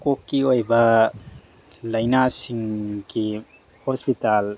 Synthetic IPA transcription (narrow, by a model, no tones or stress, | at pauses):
kokːiojbɐ | ləjnasiŋki | hɔspital